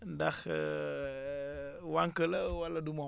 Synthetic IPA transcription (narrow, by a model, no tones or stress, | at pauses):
ndax | waŋkəlawaladumo